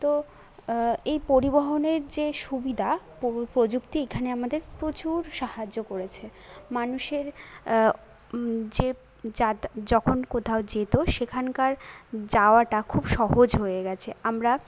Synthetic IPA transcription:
t̪o | ejpoɾiboɦoneɾd͡ʑeʃubid̪ʱapopɾod͡ʑukt̪iekʰaneamad̪eɾpɾot͡ɕuɾʃahad͡ʑːokoɾet͡ɕʰemanuʃeɾ | d͡ʑe | d͡ʑad͡ʑɔkʰonkot̪ʰaod͡ʑet̪oʃekʰankaɾd͡ʑaoaʈakʰubʃɔɦod͡ʑɦoeɡɛt͡ɕʰeamɾa

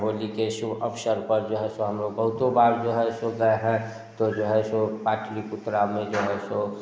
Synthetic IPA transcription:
ɦoːlikeʃubʱəpʃəɾpəɾd͡ʒoːɦɛsoɦɐmloːɡ̚bəɦʊt̪obaːɾd͡ʒoːɦɛsoɡəeɦɛ̃ | t̪od͡ʒoːɦɛsopaːʈʰlikʊt̪ːɾamẽd͡ʒoːɦɛso

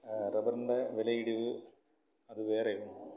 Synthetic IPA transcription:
rɐbɐrnɖeʋelɐjiɽiʋɨ | ɐðɨʋe̞ːrejum

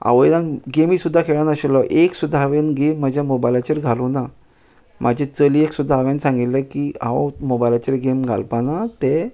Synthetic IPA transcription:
a̰ʋəjd̪ãnɡemiːsud̪ʱːakʰeɭanəɕelɔʔeksud̪ʱːaaʋenɡemːad͡ʑʱjamobajlat͡ɕəɾɡʱalona | mʔad͡ʑʱet͡səliːeksud̪ʱːaːʋjansãŋɡit̪ləkiã̰wmobajlat͡ɕəɾɡemɡʱa̰lpanat̪e

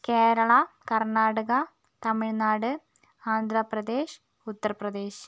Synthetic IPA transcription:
keːɾɐɭɐkɐrnaːɽuɣɐ | t̪ɐmiɻnaːɽɨ | aːnd̪ʱɾɐprɐd̪eːɕ | ut̪ːɐrprɐd̪e̞ːɕ

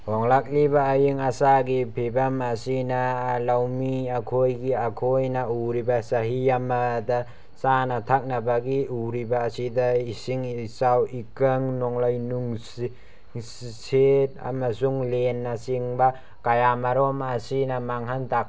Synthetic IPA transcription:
hɔŋlak̚libaːjiŋasaɡipʰebamasinalawmiakʰojɡiakʰojnauɾibasaɦiamada | sanatʰak̚nabaɡiuɾibaːsidaisiŋsawikaŋnɔŋlajnuŋs | sset̚a̰masuŋlenːasiŋba | kajamaɾɔmasinamaŋɦantak̚

